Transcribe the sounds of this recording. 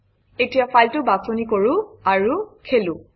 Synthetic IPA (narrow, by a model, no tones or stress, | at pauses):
etijapajltʊbasonikoɹʊ̃aɹukʰelʊ̃